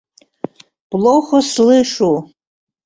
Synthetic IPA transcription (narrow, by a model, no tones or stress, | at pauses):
b̥loχʷaslɨʂu